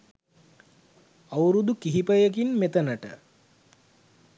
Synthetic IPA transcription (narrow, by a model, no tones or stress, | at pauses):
awɾud̪ukiɦipəjək̬inmet̪ənəʈə̰